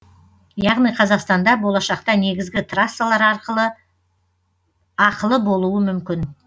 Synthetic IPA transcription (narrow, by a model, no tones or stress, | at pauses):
jɑʁnijqʰɑzɑqst̪ɑnd̪ɑbo̞lˠɑʃɑq̚t̪ɑne̞ɡʲɪzɡʲɪt̪ʰrasːalˠɑɾɑɾqəlˠə | ɑqəlˠəbo̞lˠuəmʏmkʲɪn